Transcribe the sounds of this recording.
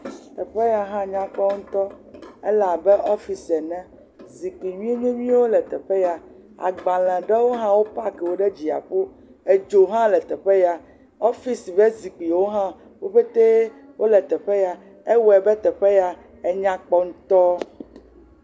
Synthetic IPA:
t̪ɛ˨ɸe˦ja˨ɦã˦ɲã˦k͡pɔ˦ŋ̩̃˦t̪ɔ˦ɛ̰˦la˨bɛ˦ʔɔ˦fi˦sɛ˨nɛ̃˦ | zi˨k͡pi˨ɲĩ˦e˦ɲẽ˦ɲĩ˦wo˦lɛ˨t̪ɛ˨ɸe˦ja˨ | a̰˨ɡ͡ba˨l̃ɛ̃˨ɖɛ˦wo˦ɦã˦wo˦pa˦kɛ˨wo˨ɖɛ˦d͡ʑi˨a̰˨ɸo˦ | e˨d͡ʒo˨ɦã˦lɛ˨t̪ɛ˨ɸe˦ja˨ | ɔ˦fi˦si˨vɛ˦zi˨k͡pi˨wo˦ɦã˦ | wo˦ɸe˦t̪e˦ | wʔo˦lɛ˨t̪ɛ˨ɸɛ˦ja˨ | e˦wɛ˨bɛ˦t̪ɛ˨ɸɛ˦ja˨ | ɛ˦ɲã˦k͡pɔ˦ŋũ˦t̪ɔ˦

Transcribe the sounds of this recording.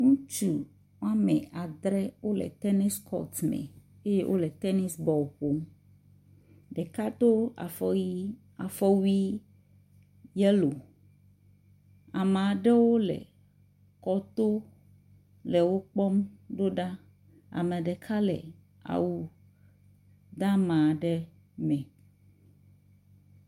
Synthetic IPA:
ŋũ˦t͡ʃu˨ | wa˦mɛ˨a˨d̪ɾɛ˦wo˦lɛ̰˨t̪ɛ˦ni˦skʰɔ̰˦t̪mɛ̰̃˨ | e˦je˦wʔo̰˦lɛ˨t̪ɛ˦ni˦sbɔ˨wɸo˨˦m | ɖɛ˨ka˦d̪o˦a̰˨fi˦ | a˨fɔ˦wi˦ | jɛ˦lo˨ | a˨mã˨ɖɛ˦wo˦lɛ̰˨ | kɔ˦t̪o˦ | lɛ˨wo˦k͡pɔ˦mɖo˦ɖa˦ | a̰˨mɛ˨ɖɛ˨kʰa˦lɛ̰˨ | a̰˨wu˨ | d̪a˦mã˨ɖɛ˦ | mɛ̃˨

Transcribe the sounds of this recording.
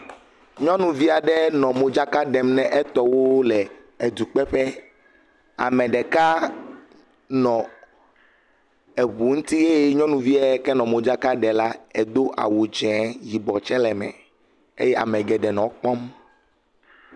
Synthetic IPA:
ɲɔ̃˦nũ˨vi˦a˨ɖɛ˦nɔ̃˨mo˨d͡ʒa˦ka˦ɖɛ˨mnɛ̃˦ʔɛ˦t̪ɔ˨wo˦lɛ˨ | e˨d̪u˨k͡pɛ˦ɸɛ˦ | a̰˨mɛ̃˨ɖɛ˨ka˦ | nɔ̃˨ | e˨βu˨ŋũ˦t̪i˦ɣe˦ɲɔ̃˦nũ˨vi˦a˨ɛ˦kɛ˦nɔ̃˨mõ˨d͡ʒa˦ka˦ɖɛ˨la˦ɛ˨d̪o˦ʔa̰˨wu˨d͡ʒɛ̃˨˦ji˨bɔ˨t͡ʃɛ˦lɛ˨mɛ̰̃˨ | ḛ˦jɛ˦ʔa̰˨mɛ̃˨ɡɛ˨ɖɛ˨nɔ̃˨k͡pɔ˦m

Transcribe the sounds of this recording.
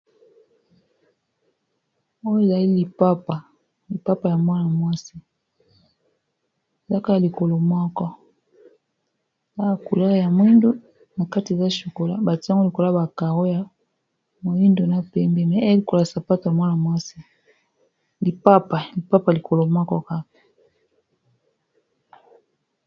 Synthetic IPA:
o˦je˨za˨li˦li˨pa˦pa˨ | li˨pa˦pa˨ja˨mwa˦na˨mwa˦si˦ | e˨za˦ka˦a˨li˨ko˨lo˨mwɔ˦kɔ˦˨ | za˦a˨ku˨la˦ɣja˨mo˨˦i˦ndo˦ | na˨ka˦ti˨e˨za˦ʃu˨ko˨la˨ba˨ti˦a˦ŋɡo˦li˨ko˨la˦ba˨ka˨ɣo˦ja˨ | mo˨i˦ndo˨na˦pɛ˨mbɛ˦mɛ˨˦a˦a˦li˨ko˨lsa˨pa˦to˨ja˨mwa˦na˨mwa˦si˦ | li˨pa˦pa˨li˨pa˦pa˨li˨ko˨lo˨mwɔ˦kɔ˦ka˦kḁ˨

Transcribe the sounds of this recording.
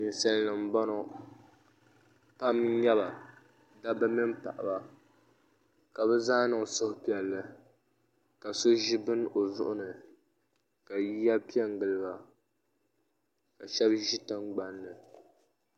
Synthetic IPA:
i˨n˨sɛ˨llɨ˨m̩˦bɔ˦nɔ˦ | pa˦m˦jɛ˦βa˨ | da˦bɨ˦mi˦mpa̰˨ʔa̰˨ba˦ | ka˨bɛ˦zaː˦nɨ˨ŋ˨sʊ˦hʊ˦pi˨ɛ˨lːɨ˦ | ka˨so˦ʒi˦bɨ˦no˨zʊ˦ʔʊ˦nɨ˨ | ka˨ji˦ja˦pi˦ɛ˦ŋ˨ɡɨ˨lɨ˦ba˨ | ka˨ʃɛ˦bʒi˦tɨ˦ŋɡ͡ba˦nːɨ˨

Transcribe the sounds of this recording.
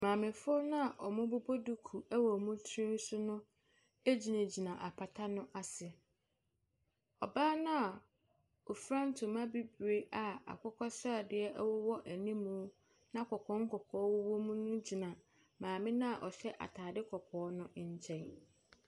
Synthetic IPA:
mãː˨mɪ̃˨fʊ˦ʊ˦nã˦a˨ʔɔ˨mʊ̃˦bʊ˦bʰo˦du˦kʰu˨æ˦wɔ˨mũ˦tʰɾĩ˦n̩˦sʊ˦nʊ̃˦ | e˦d͡ʑi˨nã˨d͡ʑi˨nã˨ʔa˨pʰa˨tʰa˦nʊ̃˦ʔa˨sɪ˨ɛ˨ | ɔ˨baː˦nã˦a˨ | o˨fɾã˦n̩˦tʰʊ˨mã˦bi˦bɾe˦ʔa˨a̰˨kʰʊ˦kʰɔ˦sa˨dɪ˨˦ɛ˦ʔɛ˦wɔ˦wɔ˦ʔæ˨nĩ˦mũ˦ | nã˦kʰɔ˨kʰɔ̃˨˦ŋ̩˦kʰɔ˨kʰɔː˨˦wʊ˦wo˦mũ˦nʊ̃˦d͡ʑi˨nã˨ | mãː˨mɪ̃˦nã˦a˨ʔɔ˨ɕɛ˦ʔa̰˨tʰaː˨dɪ˦kʰɔ˨kʰɔː˨˦nʊ̃˦˨ɲ̩˨t͡ɕʰɛ̃˦˨n

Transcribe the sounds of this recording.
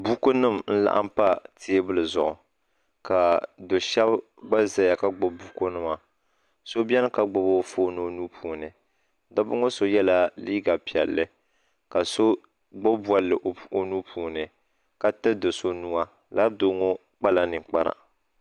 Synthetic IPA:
bu˦ko˦nɨ˦˨mn̩˦la̰˦ʔa̰˦m˦pa˦tʰi˦e˦bɨ˦lɨ˨zʊ˨ʔʊ˨ | ka˨do˨ʃɛ˦b | ɡ͡ba˦za˨ja˨ka˦ɡ͡bo˦bu˦ko˦nɨ˦ma˨ | so˦bi˦ɛ˦n˦ka˨ɡ͡bo˨˦bo˦foː˦nɨ˨o˦nu˦pʰuː˨nɨ˨ | da˦bʊ˦ŋo˦so˨jɛ˦la˦liː˦ɡa˨pi˨ɛ̰˨lːɨ˦ | ka˨so˦ | ɡ͡bo˦ba˨lːɨ˨ʔo˨nu˦pʰuː˨˦nɨ˨ | ka˦tɨ˦do˨so˦nu˦a˦ | la˦do˦ŋo˦ | k͡pa˦la˦nɨ˨ŋk͡pa˦ɾa̰˨

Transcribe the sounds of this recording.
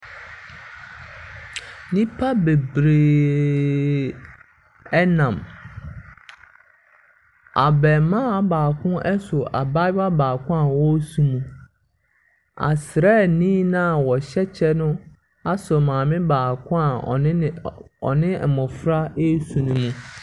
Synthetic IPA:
nĩ˦pʰa˦be˨bɾeː˨ | ɛ˦nã˨m | a˨bɛ˨mã˦baː˨kʰʊ̃˦ʔɛ˦sʊ˨ʔa˨ba˦a˦baː˨kʰʊ̃˦a˨wɔ˦sũ˨mũ˨ | a̰˨sɾɛ˦˨nĩː˦nã˦˨wɔ˨ɕɛ˦t͡ɕʰɛ˦nʊ̃˦ | a˦sʊ˨mãː˨mɪ̃˦baː˨kʰʊ̃˦ã˨˦ɔ̰˨nɪ̃˦˨mɔ̃˨fɾa˦e˦sũ˨nũ˨mũ˨

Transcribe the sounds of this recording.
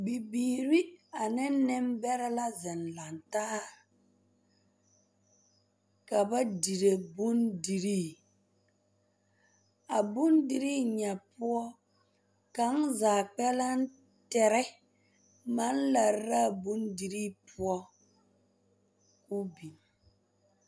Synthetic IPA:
bi˨biː˨ɾi˦a˨nɛ˦nɛ˦mbɛ˦ɾɛ˦la˦zɛ˨nla˨nta˦ | ka˨ba˦di˨ɾe˨bu˦ndi˨ɾi˦ | a˨bu˦ndi˦ɾiː˦ɲa˨pʊ˦ɔ˦ | ka˨n˦zaː˨k͡pɛ˦la˦n̩˦ | tɛ˨ɾɛ˦ | ma˦nla˨ɾa˦˨bu˦ndi˨ɾi˦pʊ˦ɔ˦ | ku˦bi˨m

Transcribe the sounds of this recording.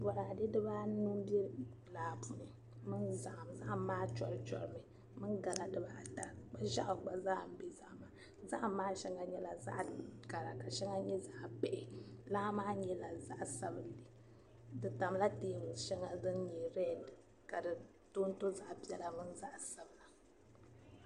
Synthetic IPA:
bɔ˨ɾa˨de˦dɨ˦baː˦nu˦m˦bɛ˦laː˨bu˨ni˨ | mɨ˦nza˨ʔa˨mza˦ʔmaː˦t͡ʃɔ˨ɾɨ˨t͡ʃɔ̰˨ɾɨ˨mɨ˨ | mɨ˦nɡa˨la˨dɨ˦baː˦ta˨k͡pa˦ʒa˦ʔʊ˨ɡ͡ba˨zaː˦˨m̩˨˦be˨za˦ʔma˨ | za˦ʔmaː˦ʃɛ˦ŋa˨ɲɛ˦la˨za̰˦ʔɡa˨ɾa˨ka˨ʃɛ˦ŋa˦ɲɛ˦za˦ʔpɛ˦ʔɪ˨la˦maː˦ɲɛ˦la˨za˦ʔsa˦bɨ˨li˨ | dɨ˨ta˨m˦la˦teː˦˨m˨ʃɛ˦ŋa˦dɨ˦nɲɛ˨ɾɛ˦˨d | ka˨dɨ˨ | to˦n˦to˦za˦ʔbi˦ɛ˦la˨mɨ˦nza˦ʔsa˨bɨ˨la˨

